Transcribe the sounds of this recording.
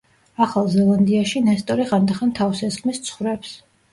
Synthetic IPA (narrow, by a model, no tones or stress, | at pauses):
aχalˠzɛlˠand̪iaʃinɛst̪ʼɔɾiʁand̪aχant̪ʰavsɛskʰmist̪sʰχwvɾɛps